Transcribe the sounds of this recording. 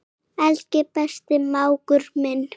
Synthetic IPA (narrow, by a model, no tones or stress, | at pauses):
alcɪpast̪ɪmawkʏɾmɪn